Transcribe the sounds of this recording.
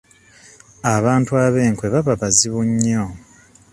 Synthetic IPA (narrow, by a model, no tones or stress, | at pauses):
aβaːntuaβe̞ːŋkwe̞βaβaβaziβuɲːo